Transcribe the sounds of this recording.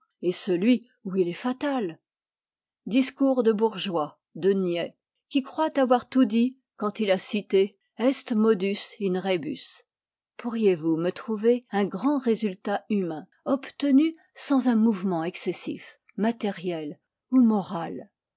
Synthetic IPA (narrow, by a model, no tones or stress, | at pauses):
esəlɥi | uilɛfat̪al | d̪iskuʁd̪əbuʁʒwa | d̪ənjɛ | kʲikχwat̪avwaʁt̪ud̪i | kɑ̃t̪ilasit̪e | ɛst̪mɔd̪ysynʁeby̰s | pʰuʁjevumət̪χuveɛ̃ɡʁɑ̃ʁezylt̪aymɛ̃ | ɔpt̪əny | sɑ̃zɛ̃muvmɑ̃ɛksɛsḭf | mat̪eʁjɛl | umɔʁal